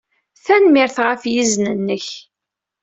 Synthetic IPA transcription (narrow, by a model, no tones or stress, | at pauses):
θænmɪɾθʁəfjiznənːəç